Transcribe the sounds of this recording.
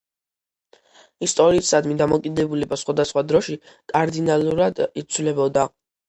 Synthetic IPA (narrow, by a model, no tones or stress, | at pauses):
ist̪ʼɔɾiːsad̪mid̪amɔkʼid̪ɛbulɛbasχwad̪asχwad̪ɾɔʃi | t̪ʼaɾd̪inalˠuɾad̪it̪sʰwlɛbɔd̪a